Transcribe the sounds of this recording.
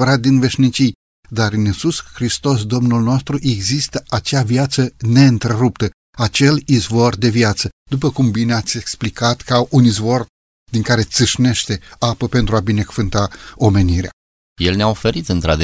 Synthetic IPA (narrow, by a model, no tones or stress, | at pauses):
əɾat̪̚d̪inve̞ʃnit͡ʃij | d̪aɾɨnisusxɾist̪o̞sd̪o̞mnulno̞st̪ɾuʔe̞ɡzist̪əʔat͡ʃeaviat̪səne̞ɨnt̪ɾe̞ɾup̚t̪ə | at͡ʃe̞lizvo̞rd̪e̞viat̪səd̪up̬əkumbineat̪sʲe̞ksplikat̪kaʔunizvo̞r | d̪iŋkaɾe̞t̪sɨʃne̞ʃt̪e̞apəpe̞nt̪ɾuabine̞kuvɨnt̪ao̞me̞niɾea̰ | jelneaofe̞ɾit̪ɨnt̪ɾa̰d̪e